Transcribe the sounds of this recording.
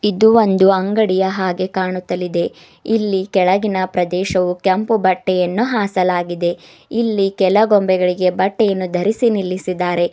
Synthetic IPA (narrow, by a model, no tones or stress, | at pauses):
id̪uo̞nd̪uɐŋɡɐɽijɐɦaːɡe̞kaːɳut̪ːɐlid̪e̞ | ilːikɛɭɐɡinɐpɾɐd̪ɛːʃɐʋukɐmpubɐʈːɛjɐnːuɦaːsɐlaːɡid̪e̞ | ilːikɛlɐɡombɛɡɐɭiɡe̞bɐʈːɛjɐnːud̪ʱɐɾisinilːisid̪aːɾe̞